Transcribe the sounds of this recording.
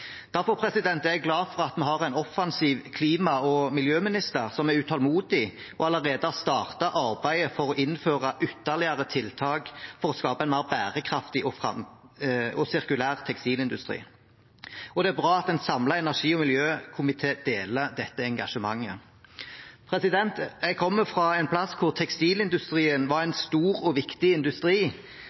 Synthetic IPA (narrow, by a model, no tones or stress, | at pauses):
d̪̥æʁfɔʁpʰɾɛsɪd̪ɛnt̪æɛɛɡlɑːfɔʁɑt̪mɛɦɑʁæɪnɔfɑnsiːʋkʰliːmɑɔmɪljøːmɪnɪst̪əʁsɔmæʉt̪ʰɑlmuːd̪ɪ | ɔɑləʁeːd̪əɑst̪ɑːʁt̪ɑʔɑɾbæɪəfɔʁɔʔɪnføːʁɑʔʏt̪ːəʁlɪəɾət̪ʰɪlt̪ʰɑːkfɔʁɔskɑːbəɛnɑbæːʁəkʰʁɑft̪ɪʔɔfʁɑ | ɔsɪʁkʉlæːʁt̪ʰɛkst̪iːlɪnd̪ʉst̪ʁḭː | ɔd̪ɛæbʁɑːɑt̪ɛnsɑmlɑɛnæʁʂiːɔmɪljøːkʰʊmɪt̪ʰeːd̪eːləd̪ɛt̪ːəɛŋɡɑʂəmɑŋːə | pʰʁɛsɪd̪ɛnt̪ɛɡ̚kʰɔmːəfʁɑɛnpʰlɑskʰʊʁt̪ʰɛkst̪iːlɪnd̪ʉst̪ʁiːənʋɑʁɛnst̪uːʁɔʋɪkt̪ɪɪnd̪ʉst̪ɾiː